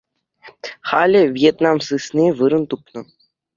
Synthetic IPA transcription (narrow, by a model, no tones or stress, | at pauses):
χalʲɘ̆vʲjet̪namsɨsnʲiʋɯɾɤ̆nt̪upnɤ̆